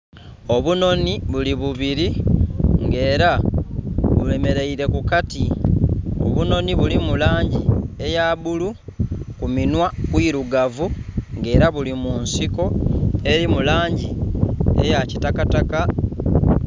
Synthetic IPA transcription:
o̞βuno̞niβuliβuβiɾi | ŋɡe̞ːɾa | βule̞me̞ɾe̞iɾe̞kukati | o̞̰βuno̞niβulimulaːɲɟie̞jaːβulukuminwakwiɾuɡavuŋɡe̞ːɾaβulimunsiko̞e̞ɾimulaːɲɟiḛjacitakataka

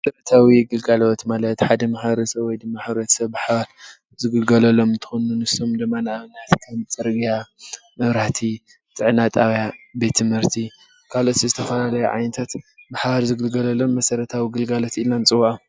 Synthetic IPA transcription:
mɐsɐɾɐt̪ʰawiɡɨlɡalo̞t̪malɐt̪ħad̪ɐmaħβɐɾɐsɐβwɔjd̪ɨmːaħβɾɐt̪sɐβbaħβaɾ | zɨɡɨlɡɐlɐlo̞mɨnt̪ʰɨ̥xonunɨsomd̪ɨmːanaʔaβɨnat̪kʰɐmt͡sʼɨɾɡija | mɨβɾaht̪ʰi | t͡sʼɨʕnat̪ʼawjabe̞t̪ʰːɨmhɨɾt̪ʰi | kʰalo̞t̪izɨt̪ʰɐfɐlalɐjuʕa̰jnɐt̪ʰat̪baħaβaɾzɨɡɨlɡɐlɐlo̞mːɐsɐɾɐt̪ʰawiɡɨlɡalo̞t̪ilnant͡sʼɨwaʔa

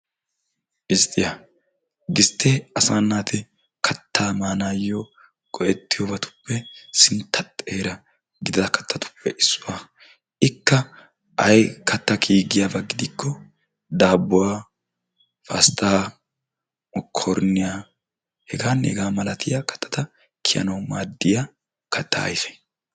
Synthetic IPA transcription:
ʔɪst̪ʼːɪja | ɡɪst̪ːɛɐsaːnːaːt̪ɪ | kʰɐt̪ʰːaːmaːnaːjːo | kʼɔʔɛt̪ːɪjobɐt̪ʊ̥pːɛsɪnt̪ʰːɐt̪ʼːeːɾɐ | ɡɪd̪ɪd̪ɐkɐ̥t̪ːɐt̪ʊ̥pʰːɛʔɪsːʊwaː | ɪkːɐ | ʔɐjkɐt̪ːɐkʰiːɡɪjabɐɡɪd̪ɪkːɔ | d̪aːbːʊwaː | fɐst̪aː | ɔkʰɔɾnɪjaː | hɛɡaːnɛ̰ɡaːmɐlɐt̪ʰɪjaːkɐ̥t̪ʰːɐ̥t̪ɐ | kʰɪjɐ̰nɐwmaːd̪ːɪja | kʰɐt̪ːa̰ɐ̰jfɛ̥

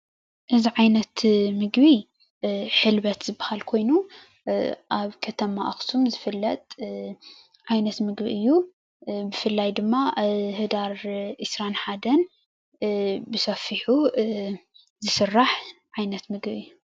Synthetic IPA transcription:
ʔɨziʕajnɐt̪mɨɡbi | ħɨlβɐt̪z̥ɨbːahalkʰo̞jnu | ʔaβkʰɐt̪ʰɐma̰ʔɐxsumzɨfɨlːɐt̪ʼ | ʕajnɐt̪mɨɡbḭʔɨjːu | bɨfɨlːajd̪ɨmːahɨd̪aɾʔisɾanħad̪ɐn | bɨsɐfiħu | zɨsɨrːaħʕajnɐt̪mɨɡbiɨjːu

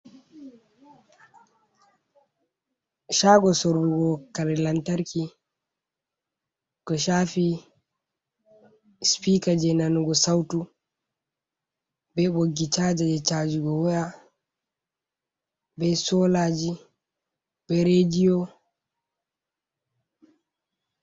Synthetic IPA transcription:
ʃaːɡɔsoɾbuɡɔkaɾɛlantaɾki | kɔʃaːfi | spikad͡ʒɛnanuɡɔsawtu | bɛɓoɡːit͡ʃaːd͡ʒad͡ʒɛt͡ʃaːd͡ʒuɡɔwɔja | bɛsɔlad͡ʒi | b̥ɛɾed͡ʒijɔ

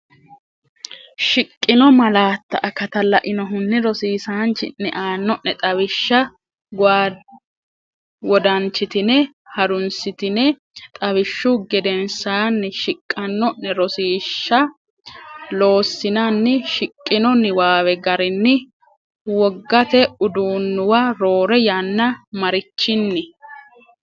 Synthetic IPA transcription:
ʃɪkʼːɪnɔmɐlaːt̪ːɐʔɐkɐt̪ɐlɐʔɪnɔɦʊnːɪɾɔsiːsaːnt͡ʃɪ̰nːɛʔaːnːɔnːɛt̪ʼɐβɪʃːɐ | ɡaː | wɔd̪ɐnt͡ʃːɪt̪ɪnɛ | hɐɾʊnsɪt̪ɪnɛ | t̪ʼɐwɪʃːʊɡɛd̪ɛnsaːnːɪʃɪkʼːɐnːɔnːɛɾɔsiːʃːɐ | lo̞ːsːɪnanːɪʃɪkʼːɪnɔnːɪwaːwɛɡɐɾɪnːɪ | wɔɡːɐt̪ɛʊd̪uːnːʊwaɾo̞ːɾɛjanːɐmɐɾɪt͡ʃːɪnːɪ

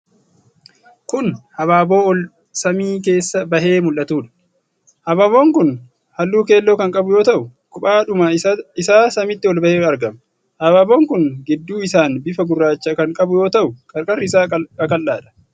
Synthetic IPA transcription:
kʊnhɐβaːbo̞ːɔl | sɐmiːke̞ːsːɐbɐɦe̞ːmʊlʔɐt̪uːᶑɐ̥ | hɐbaːβo̞ːŋkʊn | hɐlːuːke̞ːlːoːkɐŋkʼɐbʊjo̞ːt̪ɐʔʊkʊpaːᶑʊmaɪsaːsɐmɪt̪ːɪɔlbɐheːɐɾɡɐm | hɐbaːbo̞ːŋkʊnɡɪd̪ːuːɪsaːnbɪfɐɡʊrːaːt͡ʃːɐkɐŋkʼɐbʊjo̞ːt̪ɐʔʊkʼɐɾkʼɐrːɪsaːkɐkʼɐlːaːᶑɐ̥

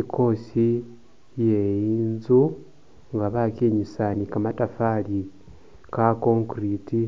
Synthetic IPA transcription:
ikʰo̞si | jejiːnzu | ŋɡaβakiɲisanikamatafali | kako̞ŋkriti

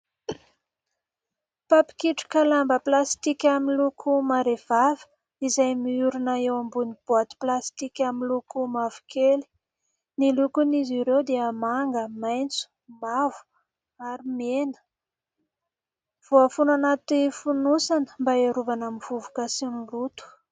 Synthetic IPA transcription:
papi̥kiʈ͡ʂu̥kəlambəplast̪ikʲamilukʰumaɾev̥avə̥ | izajmiuɾunaewambunib̥oat̪i̥plast̪ikʲamilukumavu̥keli̥ | nilukuniziɾewd̪eəmaŋɡəmajnt͡su̥ | mavu̥ | aɾimenə̥ | v̥oafunanat̪ifunusanə̥mbaeɾuvanamiv̥uvu̥kasinlut̪u̥

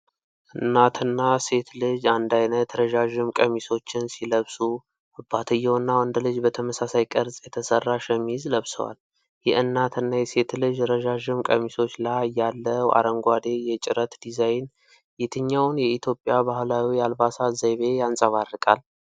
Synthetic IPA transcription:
ʔɨnːat̪ʰɨnːase̞t̪lɨd͡ʒand̪ajnət̪ɾəʒaʒɪmkʼəmiso̞t͡ʃːɪnsiləβsu | ʔɨbat̪ʰɨjːɛwnːawand̪lɨd͡ʒbət̪ʰəməsasajkʼəɾzʼjɛt̪ʰəsərːaʃɛmːizləβsə̰wa̰l | jɛ̰ʔɨnːat̪ʰɨnːajɛse̞t̪lɨd͡ʒɾəʒaʒɪmkʼəmiso̞t͡ʃːlajjalːəa̰ɾəŋɡʷad̪e̞jɛt͡ʃʼɪɾət̪d̪izajn | jet̪ʰɨɲːawnjɛit̪ʰjo̞pʼːjabahlawijalbasazajβe̞jansʼəβarːɨkʼa̰l

